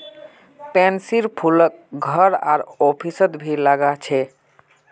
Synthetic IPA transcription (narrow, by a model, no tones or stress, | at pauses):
pɛnsiɾpʰulək̚ɡʱəɾa̰ɾɔpʰisət̪bʱilaɡat͡ʃʰɛ